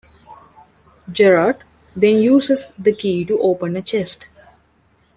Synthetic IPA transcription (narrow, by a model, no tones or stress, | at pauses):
d͡ʒɛɾaʈ | d̪ẽnjuːsesd̪əkiːʈuʔoːpə̃nət͡ʃesʈ